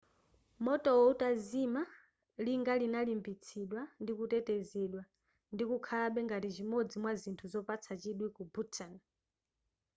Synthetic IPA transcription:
mɔtʼɔwɔutʼazima | liŋɡalinalimbit͡sʰiɗwandikutɛtɛzɛɗwa | ndikukʰaaɓɛŋɡatizʷimod͡zimwazintʰuzɔpat͡sʰat͡ʃiɗwikubutʰan

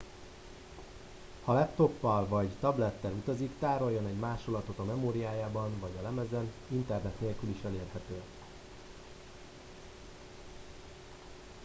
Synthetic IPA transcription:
hɒlɛpt̪o̞pːɒlvɒɟt̪ɒblɛt̪ːɛlut̪ɒzikt̪aːɾo̞jːonɛɟmaːʃolɒt̪o̞t̪ɒmɛmoːɾijaːjaːbɒnvɒɟɒlɛmɛzɛn | int̪ɛrnɛt̪neːlkyliʃɛleːrhɛt̪øː

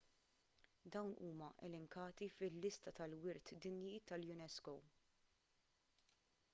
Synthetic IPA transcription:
d̪ɐwnuːmɐʔɛ̰lɛŋkɐːt̪ifɪlːɪst̪ɐt̪ɐlwɪɾt̪d̪ɪnjit̪ɐljʊnɛskɔw

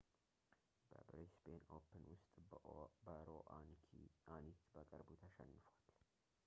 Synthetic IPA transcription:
bəbɾesbeno̰pʰɨnwʊst̪ʼbəɾoʔankʰianit̪bəkʼɨɾbut̪ʰəʃɛ̰nːɨfwal

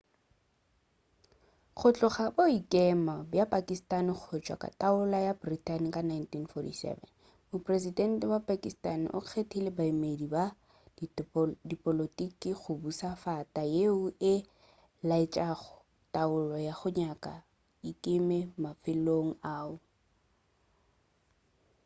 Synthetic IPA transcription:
χʰʊt͡ɬʼʊχaboikʼɛmabjapʼakʼistʼanɪk͡xʰʊt͡ʃʼwa̰kʼa̰tʼaʊlajabritʼankʼanajntʰinfɔtḭsɛ̰vɛ̰n | mʊpʼresidɛntɛwapʼakʼistʼanɪ̰ʔʊ̰q͡χʰetʰilebaimediba | dipʼɔlotʼikiχʊbusafatʼajeʊɪ | laɪt͡ʃʼaχʊ̥ | tʼaʊlɔjaχʊɲakʼa | ikʼɪmɛmafɪloŋ̩aːʊ

